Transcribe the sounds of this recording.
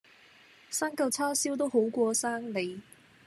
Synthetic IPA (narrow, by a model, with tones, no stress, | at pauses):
saː˥ŋkɐ˧wt͡sʰaː˥siː˥wt̪o˥wɦo˨˥wkʷɔː˧saː˥ŋle˨j